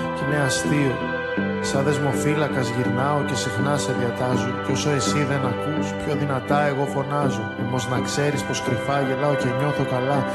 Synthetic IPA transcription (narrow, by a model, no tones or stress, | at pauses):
ineɐst̪io | sɐðe̞zmo̞filɐkɐzʝiɾnɐo̞ce̞sixnɐseðiɐt̪ɐzupo̞soe̞siðe̞nɐkuspço̞ðinɐt̪ɐe̞ɣo̞fo̞nɐzo̞omo̞znɐkse̞ɾispo̞skɾifɐʝelɐo̞ce̞ɲo̞θo̞kɐlɐ